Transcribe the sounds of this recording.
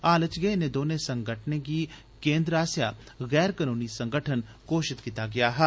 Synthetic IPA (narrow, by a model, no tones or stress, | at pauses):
aːlət͡ʃɡened̪oːnesɐ̃ŋɡʱəʈʰnek̬i | kẽːnd̪ɾaːsja | ɣɛːɾkɐnuːnisɐ̃ŋɡəʈʰən | koːʃɪt̪kiːt̪aɡɐjaɦɛː